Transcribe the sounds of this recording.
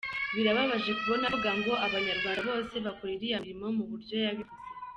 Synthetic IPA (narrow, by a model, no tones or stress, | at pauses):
βiɾaβaβaʒe̞kuβo̞naɡaŋɡo̞ʔaβaɲaɾɡwaːndaβo̞ːse̞βakoɾiɾijaɾimo̞muβuɾɟo̞jaβiβuze